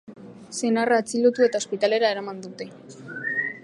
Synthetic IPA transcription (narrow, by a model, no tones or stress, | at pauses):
senaraːt͡silot̪ue̞t̪ao̞spit̪ale̞ɾae̞ɾamand̪ut̪e̞